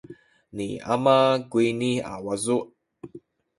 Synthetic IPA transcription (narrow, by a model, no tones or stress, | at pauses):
nḭa̰maɡwinia̰wazuʔ